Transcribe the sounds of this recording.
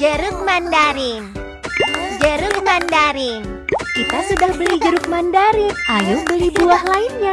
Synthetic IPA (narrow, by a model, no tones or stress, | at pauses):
d͡ʒəɾʊŋ̚mandaɾɪn | d͡ʒəɾʊŋ̚mandaɾɪn | kit̪asudahbəlihd͡ʒəɾʊk̚mandaɾɪnʔajʊbəlibuahlainɲa